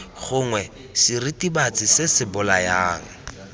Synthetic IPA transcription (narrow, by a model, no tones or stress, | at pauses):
χʊŋwɛ | siritibat͡sɪsɪsɪbʊlajaːŋ̩